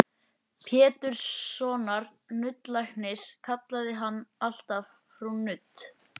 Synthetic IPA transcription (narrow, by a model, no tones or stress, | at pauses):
pʰjɛːt̪ʏɾ̥sːɔːnaɾ | nʏt̪lajhknɪskʰat̪laðɪɦanːal̥t̪af | fɾanʏt̪